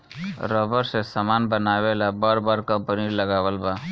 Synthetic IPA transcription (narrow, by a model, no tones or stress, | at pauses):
ɾəbəɾsesamaːnbənaːwelabaːɾbaːɾkə̃mpəniləɡaːwəlbaː